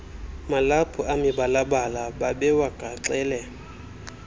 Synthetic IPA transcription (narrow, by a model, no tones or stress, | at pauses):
malapʰʼʊamɪbalabalababɛwakʼat͡ɬɛːlɛ